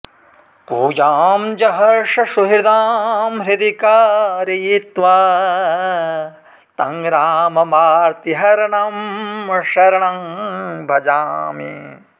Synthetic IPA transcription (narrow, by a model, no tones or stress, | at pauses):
puːjaːmd͡ʒɐɦɐɾʃɐʃuɦiɾd̪aːmɾid̪ikaɾijit̪ʋɐ | t̪ɐŋɡɾaːmɐmaːɾt̪iɦɐɾɐɳɐmʃɐɾɐɳɐmbʱɐd͡ʒaːmḭ